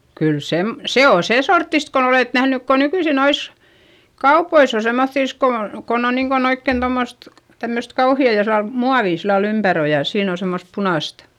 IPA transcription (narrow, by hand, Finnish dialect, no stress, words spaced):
kyl sem se oː seˑ sortːist kon oleˑt næhnyk ko nykyisi nois kɑupois o semːoθːiˑs ko on̞ kon on niːŋkon oikːeˑn tomːost tæmːøst kɑuhiɑˑ josɑ muɑʋiˑ silːɑl ympær o jɑ siːn o semːost punɑˑst